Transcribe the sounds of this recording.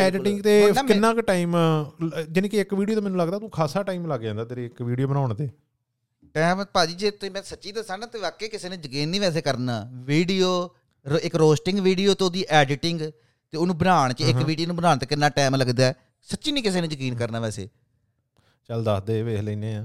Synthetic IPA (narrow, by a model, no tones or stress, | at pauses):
ɛːɖɪʈɪ̃ŋɡt̪eːkɪnːãːkʈaːim | d͡ʒɪnẽːkiɪkʋiːɖijoːt̪aːmɛːnũləɡd̪aːt̪ũːkʰaːsaːʈaːiːmləɡd͡ʒãːnd̪aːt̪eɾeːɪkʋiːɖijoːbənaːʊɳt̪eː | ʈɛːmpaːd͡ʒiːd͡ʒeːt̪eːmɛ̃ːsətːt͡ʃiːd̪əsaːɡnãːt̪eːʋaːkːeːkɪseːnẽːzəkiːnːiːʋɛːs̬eːkəɾnaːʋiːɖijoː | ɾɪkɾoːsʈɪ̃ŋɡʋiːɖijoːt̪eod̪iːʔɛːɖɪʈɪŋɡ | t̪eːonũːbənaːɳ̃t͡ʃəɪkːʋiːɖioːnũbənaːɳt̪eːkɪnːãːʈɛːmləɡd̪aɛ | sətːʃiːniːkɪseːnẽːd͡ʒəkiːnkəɾnaːʋɛːsḛː | t͡ʃəld̪asd̪eːʋeːləiːneːãː